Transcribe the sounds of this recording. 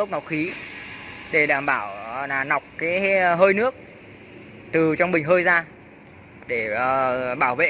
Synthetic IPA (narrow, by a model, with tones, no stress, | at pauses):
ə˦˥k͡p̚nɔ˨˦wxi˨˦ | ɗe˧˩ɗaː˧˩mɓaː˧˩wa˨˩na˨˩wk͡p̚kaː˨˦jɦəː˧jnɨ˦˥ək̚ | t̪ɨ˨˩t͡ɕɔ˧wŋ͡mɓï˨˩ŋ̟ɦəː˧jzaː˧ | ɗe˧˩əː˨˩ɓaː˧˩wvḛ˧˨